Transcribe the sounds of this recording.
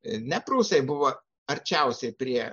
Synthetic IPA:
nʲɛpɾuːsʲɛɪbʊʋoː | ɐɾʲt͡ʃʲɛʊsʲɛɪpʲɾʲiɛ

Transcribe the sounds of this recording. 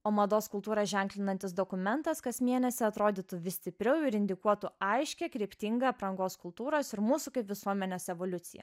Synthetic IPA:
oːmɐd̪oːskʊlˠt̪uːɾɐʒʲɛŋklʲɪnɐnʲt̪ʲɪsd̪oːkʊmʲɛnt̪ɐskɐsmʲiɛnʲɛsʲɪɐt̪ɾoːd̪ʲɪt̪uʋʲɪsʲt̪ʲɪpʲɾʲɛʊɪɾɪnʲd̪ʲɪkuɔt̪ʊɐɪʃʲkʲɛkɾʲiɛpʲt̪ʲɪŋɡɐɐpɾɐŋɡoːskʊlˠt̪uːɾoːsɪɾmuːsukɐɪpʋʲɪsuɔmʲɛnʲoːsɛʋoːlʲʊt̪sʲɪ̰jɛ̰

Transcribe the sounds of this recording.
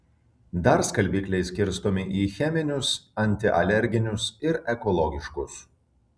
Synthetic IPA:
d̪ɐɾskɐlʲbʲiːkʲlʲɛɪsʲkʲɪɾst̪oːmʲɪʔiːxʲɛmʲɪnʲʊsɐnʲt̪ʲɪʔɐlʲɛɾʲɡʲɪnʲʊsɪɾɛkɔlˠɔɡʲɪʃkʊs

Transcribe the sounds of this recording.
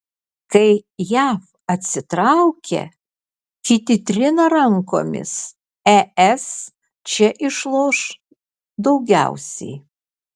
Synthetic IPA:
kɐɪjæːf | ɐt̪ʲsʲɪt̪ɾɑʊkʲḛ | kʲit̪ʲɪt̪ʲɾʲɪnɐɾɐŋko̰ːmʲɪ̰s | æɛs | t͡ʃʲɛʔɪʃlˠoːʃ | d̪ɐʊɡʲæ̰ʊsʲɛ̰ɪ

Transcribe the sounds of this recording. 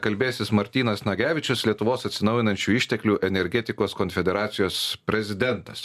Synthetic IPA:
kɐlʲbʲeːsʲɪsmɐɾʲt̪ʲiːnɐsnɐɡʲæːʋʲɪt͡ʃʲʊslʲiɛt̪ʊʋoːsɐt̪ʲsʲɪnɒʊjɪnɐnʲt͡ʃʲuːɪʃʲt̪ʲɛklʲuːʔɛnʲɛɾʲɡʲɛt̪ʲɪkoːskonʲfʲɛd̪ʲɛɾɑːt̪sʲɪjoːspʲɾʲɛzʲɪd̪ʲɛnt̪ɐs

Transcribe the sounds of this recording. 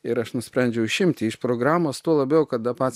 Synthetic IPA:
ɪɾɐʃnʊsʲpʲɾʲɛnʲd͡ʒʲɛʊʊʃʲɪmʲt̪ʲɪɪʃpɾoːɡɾɑːmoːst̪uɔlˠɐbʲɛʊkɐt̪̚d̪ɐpɑːsʲ

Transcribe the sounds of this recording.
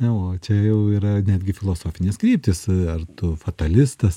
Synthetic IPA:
ɐoːt͡ʃʲɛjɛʊiːɾɐnʲæːd̪ʲɡʲɪfʲɪlˠoːsoːfʲɪnʲeːskɾʲiːp̚ʲt̪ʲɪsɐrt̪ʊfɐt̪ɐlʲɪsst̪ɐs

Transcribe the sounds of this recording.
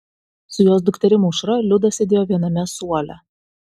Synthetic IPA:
sʊjoːsd̪ʊkt̪ʲɛɾʲɪmʊʃɾɐlʲʊd̪ɐsʲɛd̪ʲeːjɔʋʲiɛnɐmʲɛsuɔlʲɛ̰

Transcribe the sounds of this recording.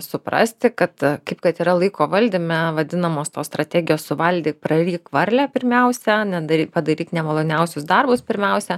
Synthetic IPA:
sʊpɾɐ̰sʲt̪ʲɪkɐt̪kɐɪpkɐt̪iːɾɐlˠɐɪkoːʋɐlʲd̪ʲɪmʲɛʋɐd̪ʲɪnɐmoːst̪oːst̪ɾɐt̪ʲæːɡʲɪjoːssʊʋɐlʲd̪ʲiːpɾɐɾʲiːkʋɐɾʲlʲæpʲɪɾʲmʲɛʊsʲɛnʲɛd̪ɐɾʲiːpɐd̪ɐɾʲiːt̪nʲɛmɐlˠoːnʲɛʊsʲʊsd̪ɐrbʊspʲɪɾʲmʲɛʊsʲɛ

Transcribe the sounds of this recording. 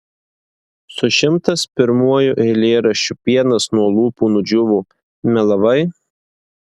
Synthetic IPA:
sʊʃʲɪmt̪ɐspʲɪɾmuɔjʊʔɛɪlʲeːɾɐʃʲʊpʲiɛnɐsnuɔlˠuːpuːnʊd͡ʒʲʊʋuː | mʲɛlˠɐʋɐɪ

